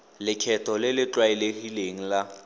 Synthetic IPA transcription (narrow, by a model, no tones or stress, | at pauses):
lɪkʰɛtʰɔlɪlɪt͡ɬwaɛlek̬ʼileŋ̩la